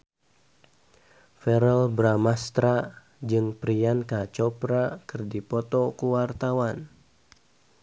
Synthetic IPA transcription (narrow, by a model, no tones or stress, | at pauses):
fɛɾɛlbɾamast̪ɾa | d͡ʒɨŋpɾiankat͡ʃɔpɾakɨrdipɔt̪ɔkuwart̪awan